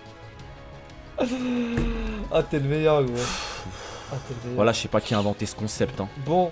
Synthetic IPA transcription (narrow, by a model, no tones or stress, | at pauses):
at̪ɛlmɛjœʁɡʁouat̪ɛlmɛjvwalaəsɛpakʲiɛ̃vɑ̃t̪esə̥kɔ̃sɛpt̪ɛ̃bɔ̃